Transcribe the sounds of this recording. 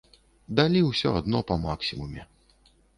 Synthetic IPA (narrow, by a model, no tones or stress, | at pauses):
d̪alʲiwsʲɔ̰ad̪nɔpɐmaksʲimumʲɛ